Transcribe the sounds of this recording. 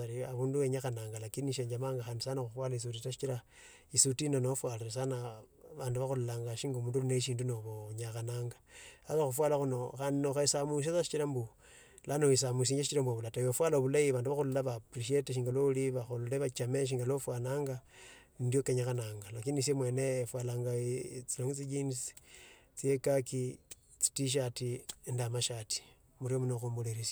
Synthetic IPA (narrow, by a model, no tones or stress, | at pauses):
aɾiaβuːndueɲaxanaːŋɡalakiniʃeːɲd͡ʒamaːŋɡaxandisanoxufwalais̬ut̬itaʃit͡ʃiɾa | isutinanofwaleɾes̬anaβaːnduβaxululaːŋɡaʃiŋɡomuːnduluneʃ̬iːndunoβoɲaxanaːŋɡaakaxufwalaxuno̞xannoxaisamus̬asaʃi̥t͡ʃiɾambu | lanois̬amus̬iɲeʃit͡ʃiɾambuoβulatajofwalaoβulaiβaːnduβaxululaβapriʃ̬eteʃ̬iːŋɡalouliβaxoluleβat͡ʃameʃ̬iːŋɡalofwanaːŋɡanindjokeɲaxanaːŋɡalakinis̬emwe̞neːfwalaːŋɡat͡siloŋit͡sid͡ʒins | t͡siekaki | t͡si̥tiʃ̬atiendamaʃati̥ | muɾiomunoxumboleɾisa